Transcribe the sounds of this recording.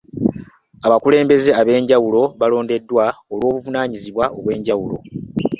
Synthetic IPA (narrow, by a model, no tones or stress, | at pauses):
aβakule̞ːmbe̞ze̞aβe̞ːɲɟawulo̞βalo̞ːnde̞dːwaolwo̞ːβuvunaːɲiziβwao̞βwe̞ːɲɟawulo̞̰